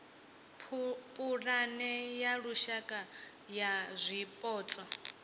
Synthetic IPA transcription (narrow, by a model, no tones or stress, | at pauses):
pʼuɺanɛjaɺuʃakʼa | jazʷipʼɔːt͡sʼɔ